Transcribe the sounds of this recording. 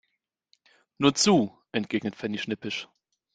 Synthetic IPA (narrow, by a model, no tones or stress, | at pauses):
nuːɐt͡suː | ʔɛntɡ̥eːɡnətfɛniʃnɪpɪʃ